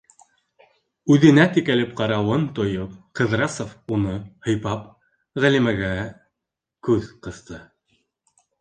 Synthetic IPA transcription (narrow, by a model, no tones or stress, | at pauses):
ʉðɘ̆næt̪ikælɘp̚qɑɾɑwɤnt̪ŏjopqɤ̆ðɾɑsofunɤhɤ̆jpɑp | ʁælimæɡæ | kʉðqɤ̆θt̪ɤ